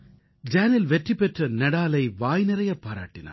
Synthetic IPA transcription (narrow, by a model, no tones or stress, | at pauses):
d͡ʒaːnɪlʋɛʈripːɛʈrɐnɐɽaːlɐɪʋaːjnɪɾɐjɐpːaːɾa̰ːʈːɪna̰ː